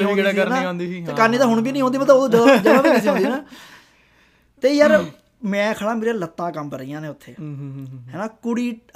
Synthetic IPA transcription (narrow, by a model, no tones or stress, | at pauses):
ənãõːnd̪iːeːkəɾniːt̪aːɦʊɳbiːnəĩːõːnd̪iːmət̪ːəboːd͡ʒd͡ʒəaːbiːnəsiːɦõːdiːnaː | t̪eːjəɾ | mɛ̃ːkʰəɽãːmeːɾalət̪ːãːkəmbəɾəijãːnẽːʊt̪ʰːḛːɦɛːnaːkʊɽiː